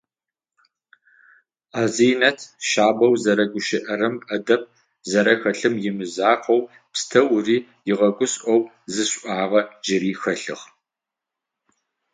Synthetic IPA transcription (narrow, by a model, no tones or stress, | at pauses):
aːzijnɐtʰʃaːbɐwzɐɾɐɡʷʊʃɪʔɐɾɨmʔɐdɐp̚ | zɐɾɐxɐɬɨmjɪmɨzaːqʰɐw | pstʰɐwʊriː | jɪʁɐɡʷʊsʔɔw | zɨɕʷʼʔʷɑːʁɐd͡ʒɪɾiːxɐɬɨ̰ʁ